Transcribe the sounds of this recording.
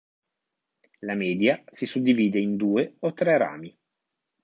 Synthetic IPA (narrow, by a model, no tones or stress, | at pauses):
lamɛːd̪jasisud̪ːiviːd̪eind̪uːeot̪ːɾɛɾa̰ːmi